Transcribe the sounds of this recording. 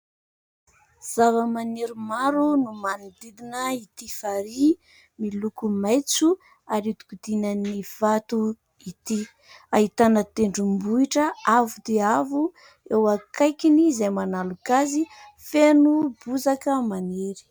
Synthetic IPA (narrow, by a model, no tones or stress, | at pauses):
z̥avəmaneɾimaɾunumanid̪id̪inəit̪ifaɾi | milukumajt͡su | aɾit̪u̥kud̪̥inəniv̥at̪u | it̪i | aɦit̪anət̪eɳɖ͡ʐumbuiʈ͡ʂəavud̪eavu | ewakajkinizajmanalukazi | fenubuzakəmaneɾi̥